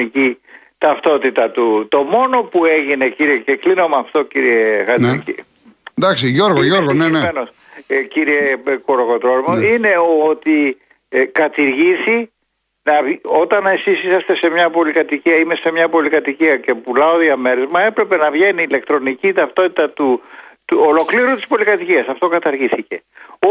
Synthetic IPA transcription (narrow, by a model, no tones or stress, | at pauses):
ici | t̪ɐft̪o̞t̪it̪ɐt̪ut̪o̞mo̞no̞pue̞ʝine̞ciɾiece̞klino̞mɐft̪ociɾiexɐt̪ici | d̪ɐksiʝoɾɣoʝoɾɣonenemenos | ciɾie̞koɾoɣo̞t̪ɾo̞ɾmoine̞o̞t̪i | kɐt̪iɾʝisi | nɐo̞t̪ɐne̞sisisɐst̪e̞se̞mɲɐpo̞likɐt̪iciɐime̞se̞mɲɐpo̞likɐt̪iciɐce̞pulɐoðiɐme̞ɾe̞zmɐe̞pɾe̞pe̞nɐvʝe̞niːle̞kt̪ɾo̞nicit̪ɐft̪o̞t̪it̪ɐt̪ut̪uolo̞kliɾunt̪ispo̞likɐt̪iciɐsɐft̪o̞kɐt̪ɐɾʝiθice̞o